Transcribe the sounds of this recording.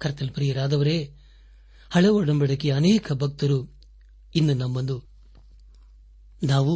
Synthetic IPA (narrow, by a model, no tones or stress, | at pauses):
kɐɾt̪ːɐlpɾijɐɾaːd̪ɐʋɐɾe | hɐɭeʋɔɽɐmbɐɽɐkːiɐnɛːkʰɐbʱɐk̚t̪ɐɾu | inːunɐmːɐnd̪u | naːʋu